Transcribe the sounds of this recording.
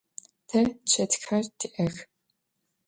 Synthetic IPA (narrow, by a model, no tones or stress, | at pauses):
tʰɐt͡ɕʰɐtxħɐrtʰiʔɐx